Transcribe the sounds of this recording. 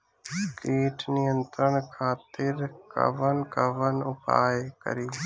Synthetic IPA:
keːʈʰnɪjə̃nt̪ɾəɽ̃kʰaːt̪ɪɾkə̰ʋənkəʋənʊpa̰ːekə̰ɾiː

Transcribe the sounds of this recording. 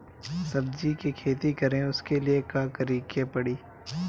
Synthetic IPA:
sɐbd͡ʒikikʰeːt̪ikɐɾẽʊskeliekaːkəɾiːkepɐɽiː

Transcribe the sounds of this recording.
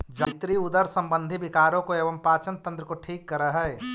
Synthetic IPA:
d͡ʒət̪ɾiud̪əɾsə̃mbə̃nd̪ʱibikaːɾõkoeːbəmpaːt͡ʃənt̪ə̃nt̪ɾəkoʈʰiːkːəɾəɦɛ

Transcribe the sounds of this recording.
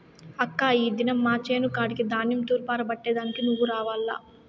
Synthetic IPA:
ɐkːaːiːd̪inɐmːaːt͡ʃeːnukaːɽikid̪aːnjimt̪uːɾpaːɾɐbɐʈːeːd̪aːnikinuʋːuɾaːʋaːlːa̰ː

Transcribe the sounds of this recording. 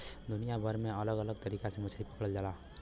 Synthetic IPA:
d̪ʊnijabʱəɾmẽələɡələɡ̚t̪əɾiːkasẽmət͡ʃʰəipəkɽəld͡ʒaːla

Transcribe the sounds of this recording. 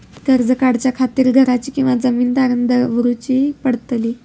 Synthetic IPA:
ɡəɾd͡zəkaɽt͡ɕjakʰat̪iːɾɡʱəɾat͡ɕiːkĩw̃ʋad͡zəmiːnd̪aɾənd̪əʋəɾut͡ɕiːpəɽt̪liː

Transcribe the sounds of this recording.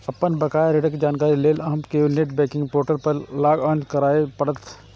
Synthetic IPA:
ɐpːənbɐkaːjɾeɖəked͡ʒaːnkaːɾileːlɐɦmkeneʈbɛːkɪ̃ŋɡpoːɾʈəlpɐɾlaːɡãːnd͡ʒkɐɾaːepɐɽət̪

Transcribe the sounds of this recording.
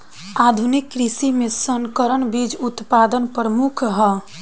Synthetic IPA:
ad̪ʱunikːɾisimesəŋkəɾənbid͡ʒut̪pad̪ənpɾəmukʰɦə

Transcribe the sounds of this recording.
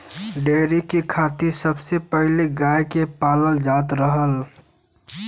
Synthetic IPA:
ɖeːɾikikʰaːt̪isɐbsepəɦliɡaːjkepaːləld͡ʒaːt̪ɾəɦəl

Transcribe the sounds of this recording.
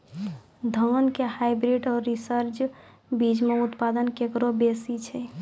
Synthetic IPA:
d̪ʱənkehajbɾiɖɔːɾːisəɾt͡ʃ | bid͡ʒmeut̪pad̪ənkekɾobesit͡ʃʰɛ

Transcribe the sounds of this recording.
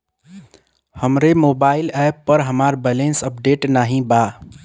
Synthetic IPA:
həmɾemobaɪilɛpːəɾɦəmaɾbɛlensəp̚ɖeʈnaɦĩba

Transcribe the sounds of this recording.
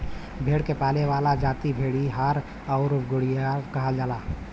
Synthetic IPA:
bʱeːɽkepaːleʋaːlad͡ʒaːt̪ibʱeːɽiɦaːɾ | ɔʊɾɡʊɽijakəɦəd͡ʒaːlaː

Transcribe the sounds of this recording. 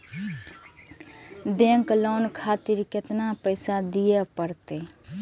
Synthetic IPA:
bɛ̃ŋkloːnkʰat̪iɾket̪napəɪsad̪ijepəɾt̪e

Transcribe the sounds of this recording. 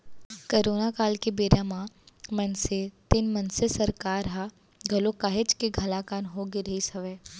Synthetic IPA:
kɐɾoːnakaːlkebeːɾamãmɐnset̪ɪnmɐnsesɐɾkaːɾɦa | ɡʱɐlokaːɦet͡ʃkeɡʱɐlaːkaːnɦoɡiɾɐɦisɐʋɛː

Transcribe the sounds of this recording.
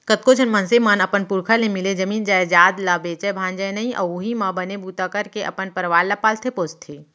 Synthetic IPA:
kət̪kod͡ʒʰʱənmɐnsemaːnɐpənpʊɾkʰalẽmɪled͡ʒɐmiːnd͡ʒaːed͡ʒaːd̪labeːt͡ʃəbʱãːnd͡ʒəjnɐĩʔɔoɦimãbənebuːt̪akəɾkeʔɐ̰pənpəɾʋaːlːapaːlt̪ʰepoːst̪ʰːeː

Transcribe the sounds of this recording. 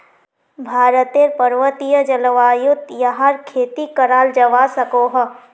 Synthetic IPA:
bʱaːɾət̪eɾpɐɾʋət̪ijəd͡ʒɐləʋaːjʊt̪jɐɦaɾkʰeːt̪ikɐɾaːld͡ʒɐʋaːsɐkoːɦɐ

